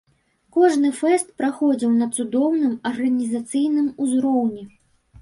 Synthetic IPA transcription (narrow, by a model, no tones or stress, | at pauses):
kɔʐnɨfɛst̪̚pɾaxɔd͡zʲiwnɐt̪sud̪ɔwnɨmɐrɣɐnʲizat̪sɨjnɨmuzɾɔwnʲɛ